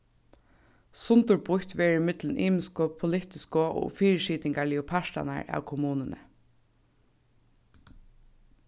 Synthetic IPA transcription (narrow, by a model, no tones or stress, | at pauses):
sʊnt̪ʊɹbʊht̪ʋɛːɹɪmɪt̪lənʔiːmɪskɔpʰʊlɪt̪ɪskʊʔɔ̰ːfiːɹɪʃiːt̪ɪŋkaɭɪʊpʰaʃt̪a̰na̰ɹæ̰ːwkʰʊmuːnənə̰